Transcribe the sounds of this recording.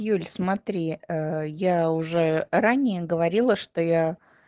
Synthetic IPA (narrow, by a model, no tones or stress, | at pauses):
julʲsmɐt̪ɾʲiəjaʊʐɛɾanʲɪjəɡəvɐɾʲilˠəʂt̪oja